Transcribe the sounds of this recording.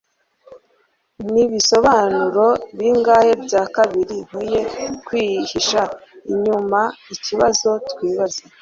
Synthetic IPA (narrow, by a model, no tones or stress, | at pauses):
niβiso̞βanuɾo̞βiŋɡaːhe̞bɟaːkaβiɾihuje̞kwihiʃaiɲumaiciβazo̞tkwiːβaze